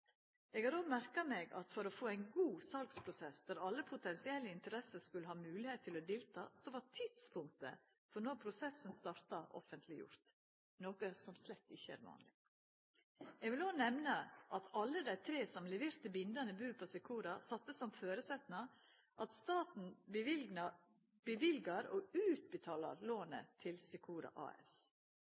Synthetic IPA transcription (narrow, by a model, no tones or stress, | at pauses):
ɛɡhɑːɾoːɡmæɾkɑmeːɡɑ̰t̪fɔɾɔfoːæɪnɡuːsɑlkspʰɾʊsɛsd̪æɾɑlːəpʰʊt̪ɛnsɪɛlːəɪnt̪əɾɛsəɾskʉlːəhɑːmʉːlɪheːt̪ʰːɪlɔd̪ɪːlt̪ʰɑ̰ːsɔʋɑt̪ʰɪd̪̥spʰʊŋk̚t̪ə̰ | fɔɾnɔɾpʰɾʊsɛsnst̪ɑɾt̪ɑʔɔ̰fənt̪ʰlɪjʊ̰ɾt̪ | noːkəsɔmslɛt̪ːɪçːəæ̰ːɾʋɑ̰ːnlɪ̰ | jɛɡʋɪloːnɛmnəʔɑt̪ʰɑlːəd̪æɪt̪ʰɾeːsɔmlɛʋeːɾt̪əbɪnd̪ɑnəbʉːpʰɔsɛkʰuːɾɑsɑt̪ːəsːɔmføːɾəsɛt̪nɑ | ʔɑt̪st̪ɑːt̪n̩ | b̥əʋɪlɡɑɾɔʉːt̪̚bət̪ʰɑːlɑ̰ɾloːnə̰t̪ʰɪlsɛkʰuːɾɑ̰ʔɑ̰ːɛ̰s